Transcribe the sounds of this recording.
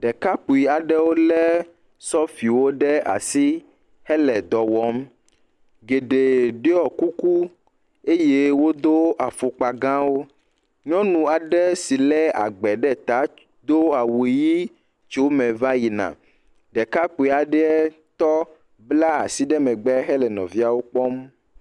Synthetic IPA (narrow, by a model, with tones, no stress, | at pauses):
ɖɛ˨ka˦k͡pu˨i˨a˨ɖɛ˦wo˦lɛ˦ | sɔ˦fi˨wo˦ɖɛ˦a̰˨si˦ | hɛ˦lɛ˨d̪ɔ˨wɔ˦m | ɡe˨ɖe˨ɖe˦ɔ˨ku˦ku˦ | e˦je˦wo˦d̪o˦ʔa˨fo˨k͡pa˨ɡã˦wo˦ | ɲɔ̃˦nũ˨a˨ɖɛ˦si˨lɛ˦a̰˨ɡ͡bɛ˨ɖɛ˦˨t̪a˨˦ | d̪o˦a˨wu˨e˨ji˦ | t͡ʃo˦mɛ̃˨va˦ji˨nã̰˨ | ɖɛ˨ka˦k͡pe˨a˨ɖɛ˦ɛ˦ | t̪ɔ˦ | bla˦a˨si˦ɖɛ˦mɛ̃˨ɡ͡bɛ˦ɦɛ˦lɛ˨nɔ̰̃˨vi˦a˨wo˦k͡pɔ˦m